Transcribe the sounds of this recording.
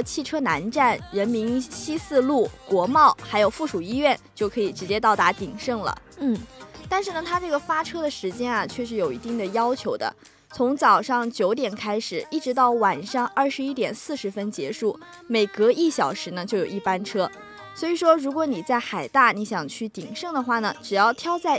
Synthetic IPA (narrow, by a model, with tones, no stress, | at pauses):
t͡ɕʰi˥˩ʈ͡ʂʰɤ˥na˧˥nʈ͡ʂa˥˩nɻə˧˥nmi˧˥nɕi˥sɹ̩˥˧lu˥˩kwɔ˧˥mɑ˥˩ʊxa˧˥ɪjo˨˩ʊfu˥˩ʂu˨˩i˥ɥɛ˥˩nt͡ɕjo˥˩ʊkʰɤ˧˥i˨˩ʈ͡ʂɻ̩˧˥t͡ɕjɛ˥t̪ɑ˥˩ʊt̪a˧˥t̪i˨˩ŋʂɤ˥˩ŋlə̰˩n̩˥˩t̪a˥˧nʂɻ̩˥˩nə˩t̪ʰa˥ʈ͡ʂɤ˥˩ɡə˩fa˥ʈ͡ʂʰɤ˥d̪ə˨ʂɻ̩˧˥t͡ɕjɛ˥nɐ˨t͡ɕʰɥɛ˥˧ʂ̬ɻ̩˥˩jo˨˩ʊḭ˧˥t̪i˥˩ŋd̪ə˩jɑ˥ʊt͡ɕʰjo˧˥ʊd̪ə̰˧ | t͡sʰʊ˧˥ŋt͡sɑ˨˩ʊʂɑ˥˩ŋt͡ɕjo˧˥ʊt̪jɛ˨˩nkʰa˥ɪʂɻ̩˨˩i˥˩ʈ͡ʂɻ̩˧˥t̪ɑ˥˩ʊwa˨˩nʂɑ˥˧ŋɐ˥˩ʂɻ̩˧˥i˥t̪jɛ˨˩nsɹ̩˥˩ʂɻ̩˧˥fə˥nt͡ɕjɛ˧˥ʂu˥˩ | me˨˩ɪkɤ˧˥i˥˩ɕjɑ˨˩ʊʂɻ̩˧˥nə˧t͡ɕjo˥˩ʊjo˨˩ʊi˥˩pa˥nʈ͡ʂʰɤ˥ | swɔ˧˥i˨˩ʂwɔ˥ɻu˧˥kwɔ˧˥ni˨˩t͡sa˥˩ɪxa˨˩ɪt̪a˥˩ni˧˥ɕjɑ˨˩ŋt͡ɕʰy˥˩t̪i˨˩ŋʂɤ˥˩ŋd̪ə˩xwa˥˩nə˩ʈ͡ʂɻ̩˨˩jɑ˥˩ʊt̪ʰjɑ˥ʊt͡sa˥˩ɪ